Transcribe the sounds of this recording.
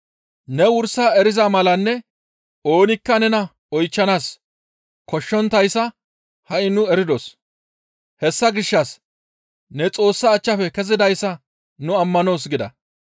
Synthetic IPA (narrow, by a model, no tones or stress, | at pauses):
nɛwʊɾsːaɛɾɪzɐmɐlɐnːɛ | o̞ːnɪkːɐnɛnɐ | ɔjt͡ʃːɐnaːs | kɔʃːɔnt̪ɐjsːɐ | hɐʔɪnʊɛɾɪd̪os | hɛsːɐɡɪʃːɐs | nɛt͡sʼo̞ːsːɐːt͡ʃːɐfɛkɛzɪd̪ɐjsːɐ | nʊɐmːɐno̞ːsɡɪd̪ɐ̰